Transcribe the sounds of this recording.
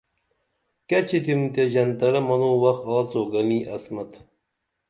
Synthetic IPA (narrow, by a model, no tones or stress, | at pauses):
kɐt͡ɕʰit̪ʰimt̪eʑɐnt̪ɐɾɐmɐnoːwɐxɑːt͡soːɡɐniːʔɐsmɐt̪